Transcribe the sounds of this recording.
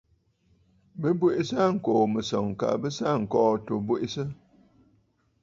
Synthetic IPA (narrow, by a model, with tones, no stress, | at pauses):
bə˦bwu˦ʔe˦sa˦˨ŋ̩˨ko˨mə˨sɔ˨ŋ˨ka̰˨bə˦sa˦˨ŋ̩˨kɔː˦to˨bwu˦ʔi˦sə˦